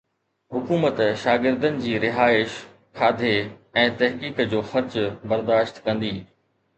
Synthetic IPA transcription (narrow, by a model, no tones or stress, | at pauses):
ɦʊkuːmət̪ʃaːɡɪɾd̪ənɪ̆d͡ʑiːɾɪɦaːɪʃ | kʰaːd̪ʱeɛ̃ːt̪ɐɦkiːkd͡ʑoːxɐɾd͡ʑbɐɾd̪aːʃt̪kɐ̃nd̪iː